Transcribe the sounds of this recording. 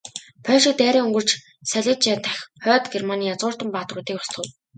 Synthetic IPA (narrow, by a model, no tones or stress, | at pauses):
pʰœːɮʃik̚t̪æːɾʲiːŋɵŋɡɵ̆r̥t͡ɕ | sæɮʲĭːt͡ɕat̪ʰæxʲχœːt̪ɡermaniːjat͡sʁʊːr̥t̪ə̆mpaːt̪rʊːt̪iːkɔ̥st̪ʰə̆w̪